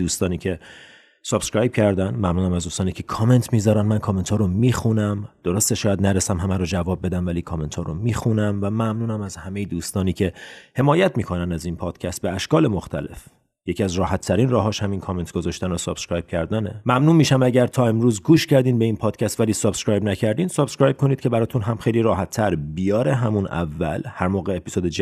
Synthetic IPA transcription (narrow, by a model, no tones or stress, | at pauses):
uːst̪ɒːnicʰe̞ | sob̥skɾɒːjb̚cʰæɾd̪ænmæmnuːnæmæzd̪uːst̪ɒːniːcʰe̞kʰɒme̞nt̪ʰmiːzɒːɾænmænkʰɒme̞nt̪ʰɒːɾomiːxunæmd̪̥o̞ɾost̪eʃɒːjæd̪næɾesæmɦæmæɾod͡ʒævɒːb̚ːe̞d̪æmvæliːkʰɒme̞nt̪ʰɒːɾo̰miːxunæmvæmæmnuːnæmæzhæmejid̪uːst̪ɒːniːcʰe̞he̞mɒːjæt̪ʰmiːkʰo̞nænd̪æzinpʰɒːd̪̥cʰæst̪̚beæʃkɒːle̞moxt̪ʰæ̰le̞̰f | jecʰiæzɾɒːhæt̪ʰːæɾiːnrɒːɦɒːʃhæminkʰɒːment̪ʰɡ̥ozɒːʃt̪ænosob̥skɾɒjb̥̚cʰæɾd̪ænemæmnuːnmiːʃæmæɟæɾt̪ʰɒːe̞mɾuːzɡuːʃcʰæɾd̪iːmbe̞inpʰɒːd̥̪̚cʰæst̪væliːsob̥skɾɒːjbnæcʰæɾd̪iːnsob̥skɾɑːjb̚kʰo̞niːd̪̥̚cʰe̞bæɾɒːt̪unɦæmxejliːɾɒːhæt̪ʰːæɾbijɒːɾe̞ɦæmunæ̰vːæ̰lhæɾmoːɣe̞ːpi̥z̥od̪ed͡ʒ